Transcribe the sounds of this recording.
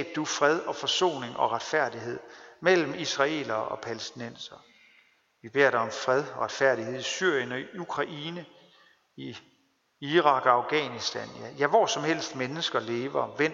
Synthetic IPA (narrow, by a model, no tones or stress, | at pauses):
b̥̚d̥ufʁɛð̞ˠɒ̽fɒ̽so̝̰ːne̝ŋʔɒ̽ʁɑ̈d̥fæɐ̰d̥iɦe̝ð̞̰ˠmel̰m̩isʁɑ̈e̝̰ːlɐɒ̽pʰælesd̥inen̰sɐ | ʋib̥e̝ɐ̰ɾ̥aɒ̽mfʁɛð̞ˠɒʁɑ̈d̥fæɐ̰ɾ̥ihe̝ð̞̰ˠisyɐ̰jənɒ̽ukʰʁɑ̈ʔiːnə | i | iʁɑ̈ɡ̥ɑ̈ʊɡ̥ɛ̰ːnisd̥ænjæjæʋɒ̰sɒ̽mhel̰sd̥menəsɡ̥ɐle̝ːʋɐʋen